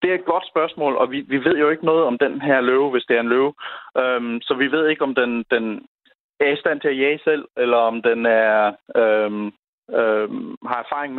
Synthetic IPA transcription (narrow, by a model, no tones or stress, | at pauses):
d̥e̝æed̥̚ɡ̥ɒ̽d̥sb̥ɶɐsmɔ̰̽ːlɒ̽ʋiʋiʋe̝ð̞̰ˠjo̝e̝ɡ̥ənɔ̽ːð̩ˠɒ̽md̥enɦæɐløːʊʋe̝sd̥e̝æɐe̝nløːʊømsɒ̽ʋiʋe̝ð̞̰ˠe̝ɡ̥əɒ̽md̥end̥en | æɐisd̥æn̰t͡sʰe̝æjæɪsel̰elɐɒ̽md̥enæɐøm | øhɑ̈æɐfɑ̈ːʁeŋm